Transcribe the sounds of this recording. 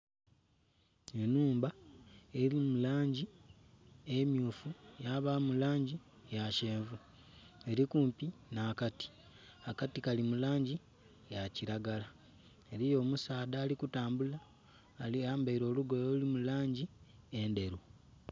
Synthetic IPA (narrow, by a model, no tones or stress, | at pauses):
enuːmbae̞ɾimulaːɲɟi | e̞mjuːfujaβamulaːɲɟi | jaʃeːɱvu | e̞ɾikuːmpinaːkati̥ | akatikalimulaːɲɟi | jaciɾaɡala | eɾijo̞ːmusaːdaːlikutaːmbulaː | liaːmbaiɾo̞ːluɡo̞jolimulaːɲɟi | e̞nde̞ɾu